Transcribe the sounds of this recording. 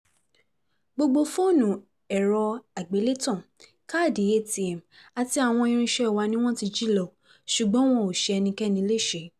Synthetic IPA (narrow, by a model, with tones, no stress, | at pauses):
ɡ͡bo˧ɡ͡bo˧fo˦˨nũ˨ | ɛ˨ɾɔ˧a˨ɡ͡be˨˦le˦tɔ̃˦˨ | ka˦˨de˨je˦˨ti˨ɛ˨m˨ | a˧ti˧a˨w̃ɔ̃˧ĩ˧ɾ̃ĩ˧ʃɛ˦˨wa˧nĩ˦w̃ɔ̃˦ti˧d͡ʒi˦lɔ˨ | ʃu˨ɡ͡bɔ̃˨˦w̃ɔ̃˦o˨ʃɛ˧ɛ˧nĩ˧kɛ˦nĩ˧le˦˨ʃe˨˦